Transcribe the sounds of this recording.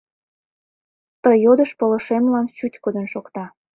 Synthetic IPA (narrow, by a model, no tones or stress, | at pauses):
t̪əjod̪əʃpələʃemlɑnt͡ɕutʲkod̪ənʃokt̪ɑ